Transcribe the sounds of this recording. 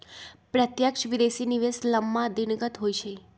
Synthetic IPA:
pɾət̪jəkʃʋid̪esiniʋesləmːãd̪inɡət̪ɦojt͡ʃʰe

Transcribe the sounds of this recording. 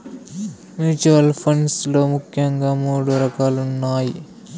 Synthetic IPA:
mjuːt͡ʃuʋɐlpʰɐɳɖslo̞ːmukʰjɐŋɡaːmuːɽuɾɐkaːlunːaːji

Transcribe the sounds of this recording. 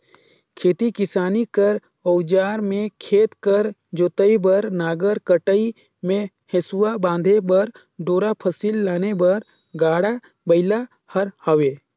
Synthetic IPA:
kʰeːt̪ikɪsaːnikəɾ | ɔwd͡ʒaːɾmẽkʰeːt̪kəɾd͡ʒoːt̪əibəɾnaːɡəɾkəʈəi | mẽ | hesuwabãːnd̪ʱebəɾ | ɖoːɾapʰəsiːlːaːnebɐɾ | ɡaːɽa | bəɪla | həɾhəʋeː

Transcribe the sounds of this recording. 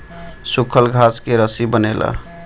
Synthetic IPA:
sukʰəlɡʱaskeɾəsibənelə̰

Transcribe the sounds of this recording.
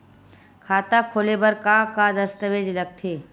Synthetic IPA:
kʰaːt̪akʰoːlebɐɾkakad̪ɐst̪əʋeːd͡ʒlɐɡ̚t̪ʰeː

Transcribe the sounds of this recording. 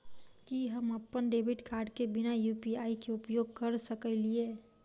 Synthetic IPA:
kiɦəməpːənɖebʱɪʈkaːɾɖkebɪnajupiaːikeʊpjoːɡ̚kəɾsəkəlie

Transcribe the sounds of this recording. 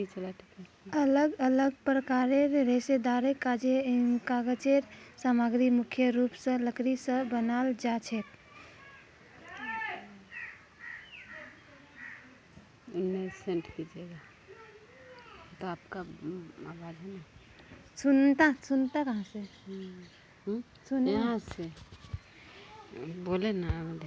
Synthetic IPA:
it͡ʃəlat̪ikɛ | ələɡələɡpɾəkaɾeɾɾesed̪aɾekad͡ʒenkaɡət͡ʃeɾsamaɡɾimukʰjəɾupsə̃ləkɾisə̃bənald͡ʒat͡ʃʰɛt̪ | unmesẽɳʈkid͡ʒeɡa | t̪oaːpkaawad͡ʒɛna | sunt̪ãsunt̪akəɦãsẽ | ɦ | sunɦãse | bolenade

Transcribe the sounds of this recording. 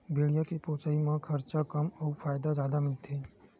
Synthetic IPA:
bʱeɽijakepoːt͡ʃaimãkʰɐɾt͡ʃakɐmɔːɾfaːjd̪azjaːd̪amɪlt̪ʰeː

